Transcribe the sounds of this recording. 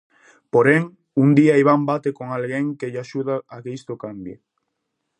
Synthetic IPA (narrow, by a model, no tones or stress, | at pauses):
poɾeŋ | und̪iaiβ̞ambat̪ekoŋalɣeŋkeʎaʃuð̞aːkeist̪okambjḛ